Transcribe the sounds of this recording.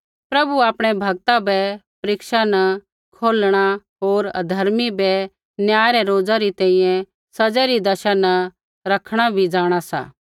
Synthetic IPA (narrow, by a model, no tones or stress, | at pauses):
pɾɐbuaːpɽ̃ɛbʱɐɡ̚t̪abɛpɐɾɪkʃanɐ | kʰoːlɽ̃aɦoːɾd̪ʱɐɾmibɛ | njaːjɾɛɾoːd͡zaɾit̪ɛ̃ːĩjɛ̃ | sɐd͡zɛɾid̪ɐʃanɐ | ɾɐkʰɽ̃abʱid͡zaːɽ̃asa̰ː